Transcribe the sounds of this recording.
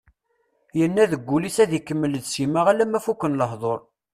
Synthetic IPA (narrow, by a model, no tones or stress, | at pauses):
jənːæðəɡʷːulisæðikːəmːələd̪siməʁælæmæfukːənləhðˤoɾˤ